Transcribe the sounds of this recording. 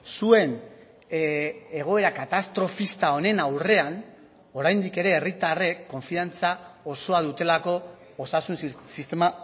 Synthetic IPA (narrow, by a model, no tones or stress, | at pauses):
sue̞n | e̞ɣ̞o̞e̞ɾakat̪ast̪ɾo̞fist̪ao̞ne̞nawre̞an | o̞ɾajnd̪ike̞ɾe̞ːrit̪are̞kːo̞ɱfiant͡sao̞so̞að̞ut̪e̞lako̞ː | sasunsist̪e̞ma